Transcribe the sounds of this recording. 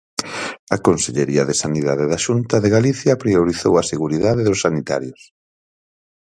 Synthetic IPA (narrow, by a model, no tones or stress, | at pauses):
ɐkonseʎeɾiɐðesaniðaðeðaʃunt̪ɐðeɣaliθjɐpɾioɾiθowɐseɣuɾiðaðeðʊsːanit̪a̰ɾjʊs